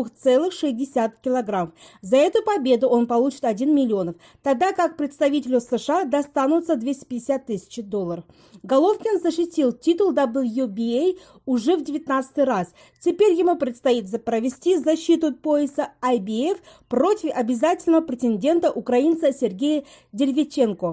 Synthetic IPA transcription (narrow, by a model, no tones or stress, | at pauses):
uxt̪sɛlˠɨxʂɨsʲdʲɪsʲat̪kʲɪlˠɐɡɾamf | zɐɛt̪ʊpɐbʲe̞d̪ʊʔo̞npɐlˠut͡ɕɪ̥t̪ɐdʲinmʲɪlʲɪo̞nəf | t̪ɐɡ̚d̪akak̚pɾʲɪt̪st̪ɐvʲitʲɪlʲʊsɨʂɨad̪ɐst̪anʊt̪səd̪vʲesʲtʲɪ̥pʲɪdʲɪsʲat̪ːɨsʲɪ̥t͡ɕɪd̪o̞lˠːəɾəf | ɡɐlˠo̞fkʲɪnzəɕɪtʲilˠtʲit̪ʊlˠd̪abɨlˠjubʲiej | ʊʐɛvdʲɪvʲɪt̪nat̪sɨ̥t̪ɨjɾas | tʲɪpʲeɾʲjɪmupɾʲɪt̪st̪ɐit̪zəpɾəvʲɪsʲtʲizɐɕːit̪ʊpo̞ɪsəajbʲɪefpro̞tʲɪfɐbʲɪzatʲɪlʲnəvəpɾʲɪtʲɪnʲdʲe̞nt̪əʔʊkɾɐint̪səsʲɪrɡʲejə | dʲɪlʲvʲɪt͡ɕːe̞nko